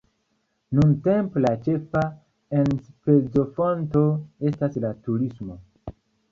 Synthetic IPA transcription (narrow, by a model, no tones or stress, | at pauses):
nunte̞mplat͡ʃe̞fa | enspe̞zo̞fonto̞e̞staslatuɾismo̞